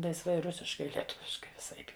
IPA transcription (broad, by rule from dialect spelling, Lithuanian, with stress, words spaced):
lˠɐɪsˈʋɐɪ ˈrʊsʲɪʃkɐɪ lʲiɛˈtʊʋʲɪʃkɐɪ ʋʲɪˈsɐɪp